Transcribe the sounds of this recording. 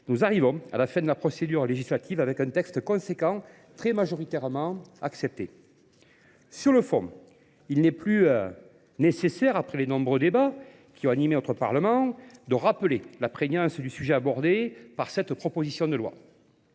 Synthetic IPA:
nuzaʁivɔ̃a̰lafɛ̃d̪əlapχɔsed̪yʁleʒislat̪ivavɛkɛ̃nt̪ɛkst̪əkɔ̃sekɑ̃ | t̪χɛmaʒɔʁit̪ɛʁəmɑ̃aksɛp̚t̪e | syʁləfɔ̃ | ilnɛplyø | nesesɛʁapχɛlenɔ̃bʁød̪eba | kʲʰiɔ̃animenɔt̪χəpa̰ʁləmɑ̃d̪əʁapəlelapχeɲɑ̃sd̪ysyʒɛabɔʁd̪epaʁsɛt̪pχɔpɔzisjɔ̃d̪əlwa̰

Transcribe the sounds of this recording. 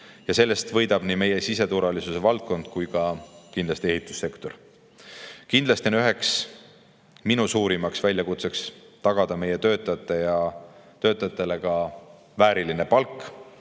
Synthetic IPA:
jɑse̞lːe̞st̪vɤjd̪̥ɑb̥niːme̞je̞sise̞t̪uɾvɑlisuse̞vɑlt̪̚ko̞nd̪̥kujkɑkind̪lɑst̪ie̞ɦit̪ːˑu̥sːe̞kt̪o̞r | kind̪lɑst̪ionyɦe̞ks | minusuːɾimɑksvælʲjɑkut̪se̞kst̪ɑɡ̥ɑd̪̥ɑme̞je̞t̪ø̞ːt̪ːˑɑjt̪ːˑe̞jɑt̪ø̞ːt̪ːˑɑjɑt̪ːˑe̞le̞kɑ | væːɾiline̞pɑlkːˑ

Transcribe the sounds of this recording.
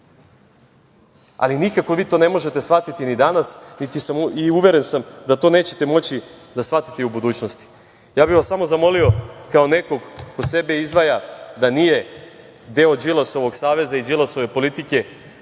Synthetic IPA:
a̰linikako̞ʋiːt̪o̞ne̞mo̞ʒet̪esʋat̪it̪inid̪anasnit̪isamiuʋe̞ɾe̞nsamd̪at̪o̞ːne̞ːt͡ɕe̞̥t̪e̞mo̞t͡ɕid̪asʋat̪i̥t̪eubud̪uːt͡ɕno̞st̪i̥ | jaːbiʋasːamo̞zamo̞lio̞kaone̞ko̞ɡko̞se̞beizd̪ʋajad̪anije̞ | d̪e̞od͡ʒilˠaso̞ʋo̞ɡsaːʋe̞zaid͡ʒilˠaso̞ʋe̞po̞lit̪ike̞

